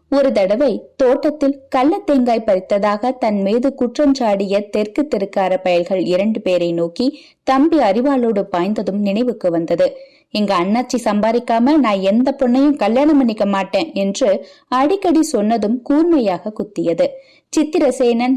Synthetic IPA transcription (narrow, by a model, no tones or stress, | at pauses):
ɔɾɯt̪ɐɽɐʋɐɪt̪oːʈːɐt̪ːɪlkɐlːɐt̪ːeːŋɡaːɪpɐɾɪt̪ːɐðaːɣɐt̪ɐnmeːðɯkʊʈrɐɲt͡ʃaːɽɪjɐt̪ɛɾkɯt̪ːɪɾɯkːaːɾɐpɐjɐɭɣɐɭɪɾɐɳɖɯpeːɾɐɪnoːki | t̪ɐmbiɐɾɪʋaːloːɽɯpaːjnd̪ɐðɯmnɪnɐɪʋɯkːɯʋɐnd̪ɐðɯ | ɪŋɡɐːɳːaːɾt͡ʃːisɐmbaːɾɪkːaːmɐlnaːnɛnd̪ɐpːɔɳːɐjɯmkɐljaːɳɐmɐnɪkːɐmaːʈːẽːɛndrɯ | ɐɽɪkːɐɽisɔnːɐðɯmkuːɾmɐjaːɣɐkːʊt̪ːɪjɐðɯ | t͡ʃɪt̪ːɪɾɐseːnɐn